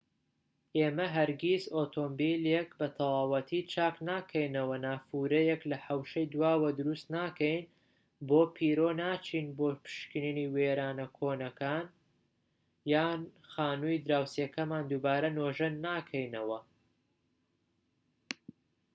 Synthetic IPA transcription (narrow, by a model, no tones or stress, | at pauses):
ʔeːmɐɦɐɾɡʲizoːt̪ʰoːmbiːlekbɐt̪ʰɐlˠɑːwɐt̪ʰit͡ʃʰaːknaːkʰɐjnɐwɐnaːfuːɾɐjɛklɐħɐwʃɐjd̪uwaːwɐd̪ʊɾust̪naːkɛjn | boːpʰiːɾoːnaːt͡ʃʰiːnboːpɨ̥ʃkɨniniːweːɾaːnɐkʰoːnɐkʰaːn | jaːnxaːnuːjd̪ɾaːwsekɐmaːnd̪ubaːɾɐnoːʒɐnːaːkʰɐjnɐwɐ